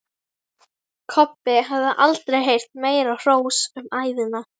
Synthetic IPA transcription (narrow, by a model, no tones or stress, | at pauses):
kʰɔpːɪɦavðaʔalt̪ɾejɦejr̥t̪̚meːjɾar̥oːwsʏmaːjðɪna